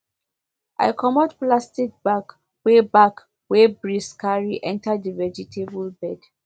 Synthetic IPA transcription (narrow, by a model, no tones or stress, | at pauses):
ʔa̰ɪkʰɔmɔdplastik̚b̥ak | webak | webɹiskaɹiʔɛ̃ntadivɛd͡ʒitʰebulbɛd̥